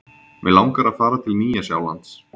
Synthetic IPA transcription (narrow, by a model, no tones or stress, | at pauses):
mɛlawŋkaɾaðfaːɾat̪ʰɪlniːjasja̰ːwla̰nt̪s